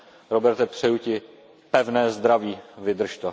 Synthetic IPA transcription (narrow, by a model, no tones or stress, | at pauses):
ɾobɛɾt̪ɛpr̝̥ɛjucɪ | pɛvnɛːzd̪ɾaviːvɪd̪r̩ʃt̪ɛ